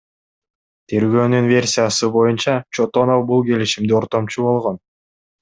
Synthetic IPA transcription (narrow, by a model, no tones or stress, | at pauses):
t̪ʰe̞ɾɡø̞ːnynvʲe̞rʲsʲijasɯbo̞junt͡ʃɑt͡ʃo̞t̪o̞nofbulˠɡe̞liʃimd̪io̞ɾt̪o̞mt͡ʃubo̞lˠʁo̞n